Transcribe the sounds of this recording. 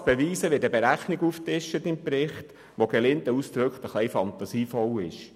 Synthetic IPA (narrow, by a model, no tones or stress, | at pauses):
b̥ɛʋiːsəʋɪdəbeɾæχniɡuftɪʃːətɪmpɾɪχt | ʋoɡ̥ɛlɪntəust̪ɾɵkχtəχlɛɪfɑnt̪ɑsiːfɔlɪʃ